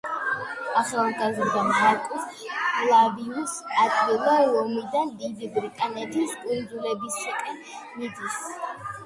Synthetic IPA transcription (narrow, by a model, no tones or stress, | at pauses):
aχalˠɡazɾd̪amɦakʼulˠaviusat̪ʼɡilˠɔɔmid̪and̪id̪ibɾikʼanɛd̪iskʼwiɾd̪zulɛbisakʼɛn | mid̪is